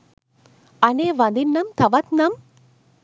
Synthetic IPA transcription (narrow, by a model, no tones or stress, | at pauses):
ɐneːʋɐnd̪ɪnːɐmt̪ʰɐʋɐt̪nɐm